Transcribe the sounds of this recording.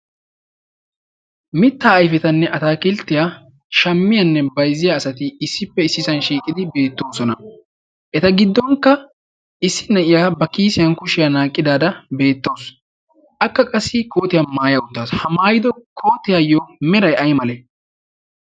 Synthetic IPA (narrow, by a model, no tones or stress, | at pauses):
mɪt̪ːaːjfɛt̪ɐnːɛʔɐt̪aːkɪlt̪ːɪjaː | ʃɐmːɪjɐnːɛbɐjzːɪjaːsɐt̪ɪɪsːɪpːɛɪsːɪsɐnʃiːkʼɪd̪ɪbe̞ːt̪ːo̞ːsɔnɐ | ʔɛt̪ɐɡɪd̪ːɔŋkːɐ | ɪsːɪ̥nɐɪjaːbɐkiːsɪjɐnkʊʃɪjanaːkʼːɪd̪aːd̪ɐbe̞ːt̪ːo̞ːs | ʔɐkːɐkʼɐsːɪkʰo̞ːt̪ɪjamaːjɐʊt̪ːaːshɐmaːjɪd̪ɔkʰo̞ːt̪ɪjaːjomɛɾɐjɐjmɐlɛ